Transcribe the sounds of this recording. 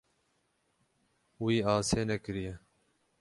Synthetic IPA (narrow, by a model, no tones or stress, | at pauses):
wiːaːseːnɛkɨɾijɛ